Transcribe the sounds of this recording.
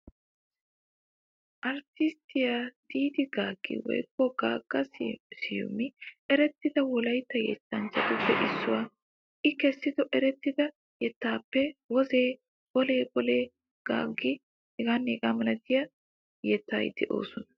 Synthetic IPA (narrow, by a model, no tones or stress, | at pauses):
ʔɐɾt̪ɪst̪ɪjad̪̥iːd̪ɪɡaːɡ̥ːɪ̰wɔ̰jkːɔɡ̥aːɡ̥ːɐssɪjʊ̰mːɪʔɛɾɛt̪ːɪd̪ɐwɔlɐjt̪ːɐjɛ̰tːɐnt͡ʃːɐt̪ʊbːɛʔɪsːʊwaː | ʔɪkɛsːɪd̪ɔʔɛɾɛt̪ːɪd̪ɐ | jɛt̪ːaːpːɛwɔzeː | ɡɔleːɡɔleː | ɡ̥a̰ːɡːɪ | ɛɡaːnːeːɡaːmɐlɐt̪ɪjɐ | jɛt̪ːaːj̰d̪ɛʔo̞̰ːsɔnɐ̥